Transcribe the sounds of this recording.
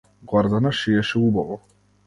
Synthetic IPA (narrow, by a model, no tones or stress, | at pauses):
ɡwaɾd̪anaʃijɛʃɛubavɔ